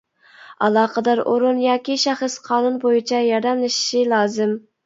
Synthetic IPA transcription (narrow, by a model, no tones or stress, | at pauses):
ɑlˠɑːqəd̪ɑɾʔoɾunjɑːkʲiʃæχəsqʰɑːnunbojit͡ʃʰɛjɑɾd̪ɛmlˠɨʃi̥ʃilˠɑːzɪm